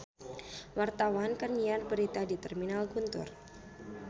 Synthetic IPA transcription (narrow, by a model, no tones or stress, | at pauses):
wart̪awankərɲiarbəɾit̪adit̪ɛrminalɡunt̪ʊ̰r